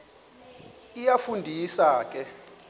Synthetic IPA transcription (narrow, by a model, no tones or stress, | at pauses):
ijafundʱisaːk̬ʼɛ